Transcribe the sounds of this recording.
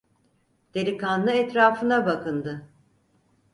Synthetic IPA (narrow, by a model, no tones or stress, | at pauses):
d̪̥eɾikanːˠɯɛt̪ɾaːfɯnabakʰɯnd̪ɯ